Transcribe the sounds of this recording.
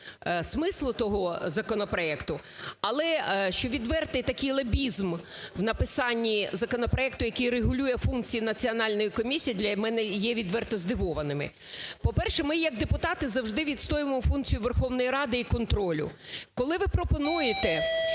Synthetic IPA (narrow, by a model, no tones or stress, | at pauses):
smɪslˠʊt̪ɔɦɔzɐkɔnɔpɾɔɛkt̪ʊ | ɐlˠɛʃt͡ʃɔʋʲid̪ʋɛrt̪ɛjt̪ɐkɪjlˠebʲizm | wnɐpɪsɑnʲːizɐkɔnɔpɾɔɛk̚t̪ʊjɐkɪjreɦʊlʲujɛfunkt͡sʲijinɐt͡sʲiɔnɑlʲnɔjikɔmʲisʲijid̪lʲɐmɛnɛjɛʋʲid̪ʋɛrt̪ɔzd̪ɪʋɔʋɐnɪmɪ̰ | pɔpɛrʃɛmɪjɐɡ̚d̪epʊt̪ɑt̪ɪzɐwʒd̪ɪʋʲid̪st̪ɔjɪmɔmɔfunkt͡sʲijʊʋerxɔwnɔjiɾɑd̪ɪikɔnt̪ɾɔlʲʊ̰kɔlˠɪʋɪpɾɔpɔnujet̪ɛ